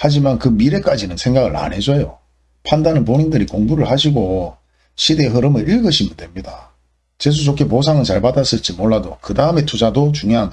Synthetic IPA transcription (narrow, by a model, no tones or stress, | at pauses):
had͡ʑimankɯmiɾe̞k͈ad͡ʑinɯnsʰe̞ŋɡaɡɯɭa̰ne̞d͡ʑojo | pʰandanɯnp̬onindɯɾikoŋbuɾɯɭhaɕ̬ʰiɡo | ɕʰide̞ɦɯɾɯmɯɾiɭɡɯɕʰimidwe̞mɲida | t͡ɕes̬ʰut͡ɕokʰepos̬ʰaŋɯnt͡ɕaɭpadas͈ɯɭt͡ɕ͈imoɭːadokɯdaɯme̞tʰud͡ʑadot͡ɕuŋjoɦan